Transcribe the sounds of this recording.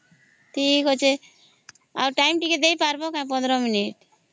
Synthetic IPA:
ʈʰikɦot͡ʃʰe | a̰wɾʈajmʈiketd̪ejpaɾbokãj̃pɔ̃nd̪ɾɔminiʈ

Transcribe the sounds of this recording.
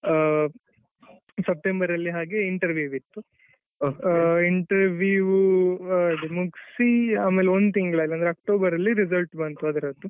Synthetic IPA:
sɐp̚ʈembɐɾɐlːiɦaːɡeiɳʈɐɾʋjuʋit̪ːu | iɳʈɐɾʋjuʋu | ɖimuɡsiaːmeːleond̪ut̪iŋɡɐɭɐilːɐnd̪ɾɐk̚ʈoːbɐɾɐlːiɾizɐlʈbɐnt̪uɐd̪ɐɾɐt̪ːu

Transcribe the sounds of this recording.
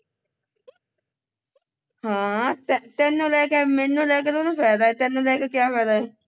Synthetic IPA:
hãːt̪ɛt̪ɛ̃ːnːũːlɛːkɛːmɛnũːlɛːk̬et̪onũːpʰɛːd̪aːɛːt̪ɛ̃ːnːũːlɛːkekjaːpʰɛːd̪aːɛː

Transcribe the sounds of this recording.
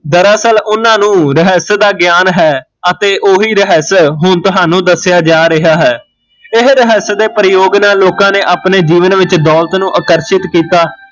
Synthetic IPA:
d̪əɾaːsəlʊnãːnũːɾəɦəsd̪aːɡɪjaːnɦɛː | ət̪eːʔoːɦiːɾəɦəsɦʊɳt̪ʊɦaːnũːd̪əsjaːd͡ʒaːɾɪɦaːɦɛː | ɪɦɾəɦəsd̪eːpəɾɪjoːɡnaːloːkãːneːʔaːpneːd͡ʒiːʋənʋɪt͡ʃd̪ɔːlt̪nũːʔəkəɾʃɪt̪kiːt̪aː

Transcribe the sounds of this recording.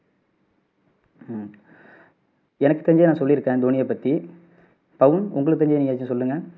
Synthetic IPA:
ɛnɐkːɯ̥t̪ɐɲd͡ʒejnãːsɔlːiɪɾɯkːẽːd̪oːnɪjɐpːɐt̪ːi | pɐʋɯnʊ̰ŋɡɐɭɯt̪ɐɲd͡ʒejniŋɡɐːt͡ʃːʊ̃sɔlːɯŋɡɐ

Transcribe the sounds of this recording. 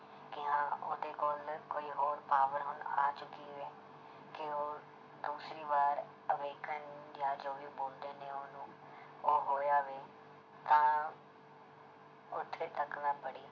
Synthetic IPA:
kɪɦãːo̰ːd̪eːkoːlkoːiːɦoːɾpaːʋəɾɦʊna̰ːt͡ʃʊkiʋeː | kɪoː | d̪uːsɾiːʋaːɾ | əʋeːkənd͡ʒaːd͡ʒoːʋiːboːld̪eːneːoːnũː | oːɦoːjaːʋeː | t̪ãː | ʊt̪ʰːeːt̪əknaːpəɽiː

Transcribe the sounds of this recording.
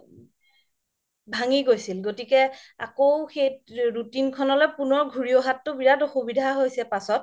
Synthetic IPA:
bʱaŋiɡojsilɡotikɛa̰kowxejɹutinkʰɔnɔlɔjpunɔɹɡʱuɹioɦatːʊbiɹatoxubidʱaɦojsɛpasɔt̚

